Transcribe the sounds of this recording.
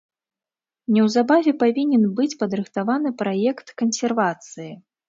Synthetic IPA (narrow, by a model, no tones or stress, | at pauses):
nʲɛwzabavʲɛpavʲinʲɛnbɨt͡sʲpɐd̪ɾɨxt̪avan̪ɨpɾajɛkt̪kɐnsʲɛrvat̪sɨji